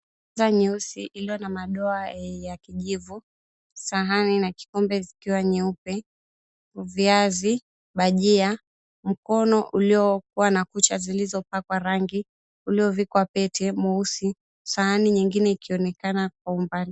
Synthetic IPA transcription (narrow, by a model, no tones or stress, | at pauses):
zaɲɛusiʔilijɔnamaɗɔajakiʄivu | saɦaninaki̥kɔmbɛzikiwaɲɛupɛ | uviazi | ɓaʄia | m̩kɔnɔʔuliɔk̚uwanakut͡ʃazilizɔpakwaɾaŋɡi | uliɔvikwapɛtʰɛmɔusi | sahaniɲiŋɡinɛikiɔnɛkanak̚waumbali